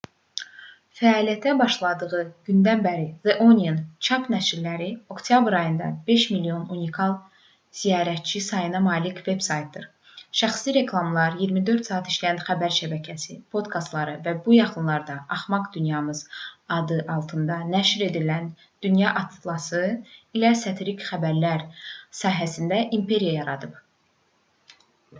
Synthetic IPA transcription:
fæɑːlijæt̪ʰæbɑʃlˠɑd̪ɯɣɯɟ̥ynd̪ænbæɾizeʔoniint͡ʃʰɑpnæʃiɾlæɾio̞kt̪ʰjɑbɾɑjɯnd̪ɑ̰be̞ʃmilːio̞nunikʰɑlˠ | z̥ijɑːɾæt̪̚t͡ʃʰisɑjɯnɑmɑːlicve̞bsɑjt̪̚d̪ɯɾ | ʃæχsliɾe̞kʰlˠɑmlˠɑɾjiɾmid̪ø̞ɾt̪sɑːɑt̪ʰi̥ʃlæjænχæbæɾʃæbæcʰæsipʰo̞d̪kʰɑst̪lˠɑɾɯvæbujɑχɯnlˠɑɾd̪ɑɑχmɑɡd̪ynjɑmɯz̥ɑd̪ɯʔɑlˠt̪ʰɯnd̪ɑnæʃɾe̞d̪ilæn | d̪̥ynjɑʔɑt̪ʰlˠɑsɯilæsɑt̪ʰeɾikχæbæɾlæɾsɑːɦæsind̪æʔimpʰe̞ɾijajɑɾɑd̪ɯb

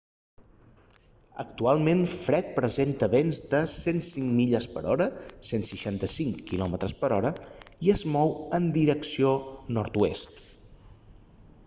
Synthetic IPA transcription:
ə̰k̚t̪ualˠmenfɾɛt̪̚pɾəzent̪əβenzd̪əsensiŋmiʎəspəɾɔɾəsensəʃant̪əsiŋkilɔmət̪ɾəspəɾɔɾəiəzmɔwənd̪iɾəksionɔɾt̪uest̪

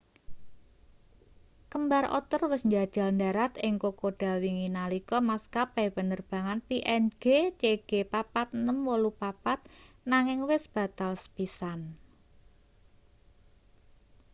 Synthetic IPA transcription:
kəmbarʔɔ̰t̪ərwɪsɲd͡ʒad̥ʒ̥a̤lnda̤ɾat̪ɪŋkokoɖ̥a̤wiŋinalikɔmaskapɛpənərb̥a̤ŋanpiʔɛnɡ̥et͡ʃeɡ̥epapat̪̚nəmwolupapat̪̚ | naŋɪŋwɪsb̥a̤t̪alsə̥pisan

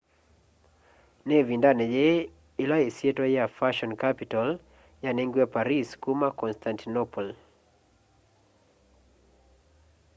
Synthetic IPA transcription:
nɛvindanɛd͡ʒɛ | ilaisietwajafaʃɔnkapital | janɛŋɡwapaɾiskumakɔnstʰantinɔpɔl

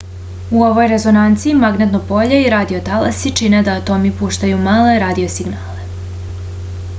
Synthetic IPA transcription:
uo̞ʋo̞jɾe̞zo̞nant̪siimaɡnet̪nopo̞ʎeiɾaːd̪iot̪alasit͡ʃined̪at̪o̞mipuːʃt̪ajumaːleɾaːd̪io̞siɡnaːle

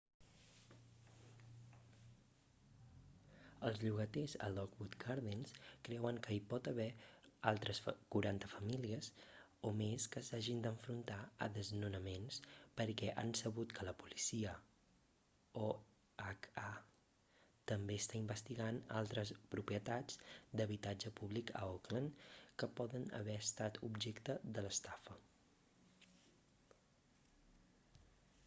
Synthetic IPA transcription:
əlˠzʎuɣət̪ezə̰lɔkbut̪kʰaɾðenskɾɛwəŋkəipɔt̪əβɛalˠt̪ɾəskuɾant̪əfəmiliəs | omeskəsaʒind̪əɱfɾunt̪aə̰ðəznunəmenspəɾkɛʔa̰nsəβut̪kʰələpulisiə | o | aka | t̪əmbeəst̪aimbəst̪iɣanalˠt̪ɾəspɾupɾiət̪ad͡zd̪əβit̪ad͡ʒəpuβlikə̰okləŋkəpɔðənə̰βɛəst̪at̪ʰubʒɛkt̪əðələst̪afə

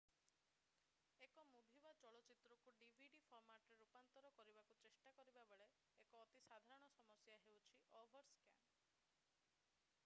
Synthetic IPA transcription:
ekɔmubʱibat͡ʃɔɭɔt͡ʃit̪ɾɔkuɖibʱiɖipʰɔɾmaʈɔɾeɾupant̪ɔɾɔkɔɾibakut͡ʃesʈakɔɾibabeɭe | ekɔːt̪isad̪ʱaɾɔɽ̃ɔsɔmɔsjaɦewt͡ʃʰiʔɔbʱɔɾska̰m

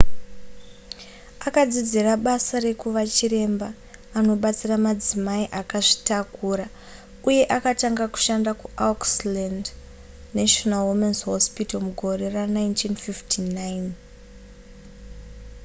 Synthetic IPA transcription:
akad͡zid͡ziraɓasare̞kuʋat͡ʃiɾe̞mbaː | no̞ɓat͡siramad͡zimaiʔakaʐi̥takuːɾa | uje̞ʔakataŋɡaku̥ʃandakuʔaksland | naʃonalwumensɦospitomuɡʱo̞re̞ranajntʰinfiftʰinajn

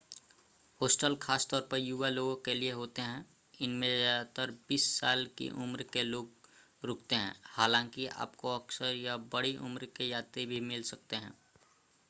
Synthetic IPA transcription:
hoːsʈəlkʰaːst̪ɔːɾpəɾjuːʋaloːɡõkelieɦoːt̪eɦɛ̃ | ɪnmẽd͡ʒat̪əɾbiːsːaːlkḭʔʊmɾkeloːɡ | ɾoːk̚ʰt̪eɦɛ̰̃ːhaːlãːŋkia̰ːpkoɐksəɾjabɐɽiʔʊ̰mɾkejaːt̪ebʱimɪlsɐk̚t̪eɦɛ̰̃ː

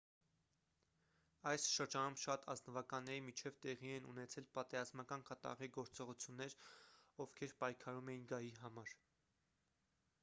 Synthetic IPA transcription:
ɑjsʃəɾd͡ʒɑnumʃɑt̪ʰɑ̰znəvɑkɑnːɛɾimit͡ʃʰɛvt̪ɛʁiɛnunɛt͡sʰɛlpɑt̪ɛɾɑzmɑkɑnkɑt̪ɑ̰ʁiɡɔɾt͡sɔʁut͡sʰjunːɛɾɔvkʰɛɾpɑjkʰɑɾumɛjinɡɑjiɦɑmɑɾ

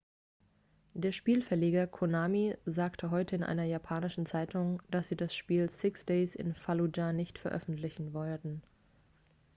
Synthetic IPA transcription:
d̥eːɐʃpiːlfɛɐleːɡɐkʰonaːmizaːktʰəɦɔʏtəɪnʔa̰ɪnɐjapʰaːnɪʃn̩t͡saɪtʰʊŋd̥asz̥iːdasʃpiːlsɪksd̥eɪsɪ̰nfalud͡ʒanɪçtfɛɐʔœ̰fn̩tlɪçn̩vɔltn̩

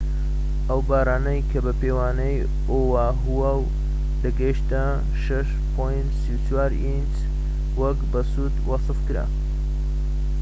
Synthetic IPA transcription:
ʔəwbaːraːnɐjkʰɐbɐpewaːnɐj | owa | ɦuwaw | lɐɡɐjʃt̪a | ʃɐʃ | pʰojnt̪siwt͡ʃwaːɾint͡ʃ | wɐkbɐsuːd̪wɑsɨfkɨɾa̰

